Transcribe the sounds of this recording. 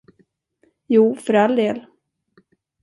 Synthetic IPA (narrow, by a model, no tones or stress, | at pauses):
juːfœɾald̪eːl